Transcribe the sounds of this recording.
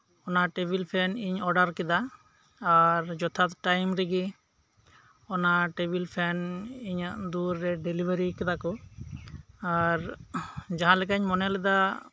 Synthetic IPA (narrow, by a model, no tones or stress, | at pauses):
ɔnaʈebʱilpʰɛniɲɔɖaɾkɛd̪aː | ɾd͡ʒɔt̪ʰat̪ʈajmɾiɡi | ɔnaʈebilpʰɛniɲaʔd̪uɾːɛɖelibaɾikɛd̪akɔ | aɾ | d͡ʒaɦãlɛk̬aɲmɔnɛlɛd̪a